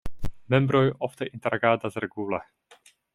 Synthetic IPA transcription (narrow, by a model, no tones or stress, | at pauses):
mɛmbɾojʔɔft̪ɛʔint̪ɛɾaɡaːd̪azɾɛɡulɛ